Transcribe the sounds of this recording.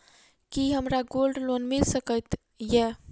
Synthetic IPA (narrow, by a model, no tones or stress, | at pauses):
kiɦəmɾaɡolɖlonmilsəkət̪ | jɛ